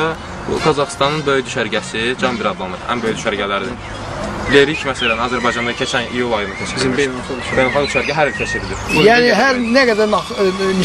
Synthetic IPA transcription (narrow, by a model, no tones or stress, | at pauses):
bṵɡɑzɑχst̪ɑnɯnbøjyd̪yʃæɾɟæsid͡ʒɑnbiɾɑd̪lˠɑmˠɯd̪ʔæ̰nbøjyd̪yʃæɾɟælæɾid̪in | leɾicʰmæsælænɑzæɾbɑjd͡ʒɑnd̪ɑcʰet͡ʃʰænḭjulˠɑjɯnɯt̪ʰæʃʲissoyʃbellχɑɡd̪yʃæɾɟæɦæɾilcʰæʃid̪id̪iɾujæːniɦæɾnæɡæd̪æɾnɑ | n